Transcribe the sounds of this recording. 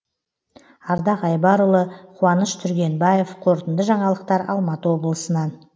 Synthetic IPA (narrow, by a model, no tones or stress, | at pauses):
ɑɾd̪ɑqɑjbɑɾʊlˠəqʰuɑnəʃt̪ʰʏɾɡʲe̞nbɑje̞fqʰo̞ɾt̪ənd̪əʒɑɴɑlˠəq̚t̪ɑɾɑ̰lˠmɑt̪əwo̞blˠəsənɑn